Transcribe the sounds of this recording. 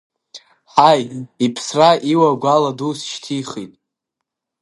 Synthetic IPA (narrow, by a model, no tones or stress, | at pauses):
ħajipʰsraʔiwaɡʷaladusʃtʰiχitʼ